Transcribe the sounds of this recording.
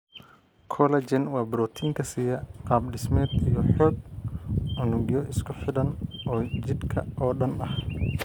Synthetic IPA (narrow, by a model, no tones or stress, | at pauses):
kʰɔlɐt͡ʃɛnwɑːbɾɔːt̪ʰiːŋkʰɐsiːjɐqɑːbɖɪsmɛːd̪ijɔħɔːɡ̚ | ʔʊnʊɡjɔʔɪskʰʊħɪdɐnʔɔːt͡ʃɪd̪kʰɐ̰ʔɔːɗɐnɐh